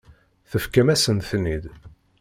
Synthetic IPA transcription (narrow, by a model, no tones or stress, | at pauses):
θəfkəmæsənθnid̪